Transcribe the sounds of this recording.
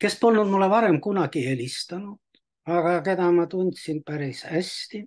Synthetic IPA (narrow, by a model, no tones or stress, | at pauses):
ke̞spo̞lnud̪mulːevɑɾe̞mkunɑɡ̥ie̞lʲist̪ɑnud̪̥ | ɑɡ̥ɑke̞d̪ɑmɑt̪unʲt̪sinpæɾisæst̪i